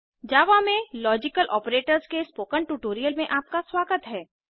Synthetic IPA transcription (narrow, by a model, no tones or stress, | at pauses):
d͡ʒaːʋamẽlɔːd͡ʒɪkəlʔɔːpɾeːʈəɾzkespoːkəɳʈuʈoːɾijəlmẽʔaːp̚kaswaːɡət̪ɦɛː